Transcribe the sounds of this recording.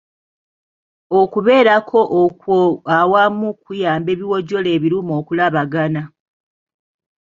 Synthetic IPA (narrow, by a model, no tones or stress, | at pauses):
okuβe̞ːɾakʰo̞ʔkawamukujaːmbe̞ːβiwoɟo̞le̞ːβiɾumo̞ːkulaβaɡana